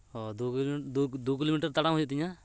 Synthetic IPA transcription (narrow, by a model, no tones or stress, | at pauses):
ɦɔd̪oːkd̪od̪oːkɪloːmiːʈəɾt̪əɽãɦoːd͡ʒat̪ĩjãː